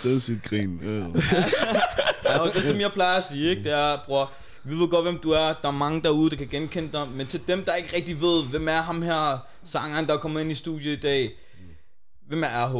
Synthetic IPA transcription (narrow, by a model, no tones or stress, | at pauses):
seð̩ˠsid̥ɡ̥ʁḭːn | jæʊd̥e̝sɒ̽mjɑ̈ɪpʰlɑ̈ɪɐsiːeɡ̥̚d̥e̝æɐb̥ʁu | ʋiʋeɡ̥ɒ̽d̥ʋem̰d̥uæɐd̥ɑ̈æɐmɑ̈ŋəd̥ɑ̈uð̩ˠd̥ɑ̈kʰæɡ̥enkʰen̰d̥ɑment͡sʰe̝ld̥emd̥ɑ̈e̝ɡ̥əʁɛɡ̥̚d̥iʋe̝ð̞̰ˠʋem̰æɐɦɑ̈mhæɐ̰ | sɑ̈ŋɐnd̥ɑkʰɒ̽mɐe̝nisd̥ṵd̥jəid̥ɛ̰ː | ʋemæɐæɐɦ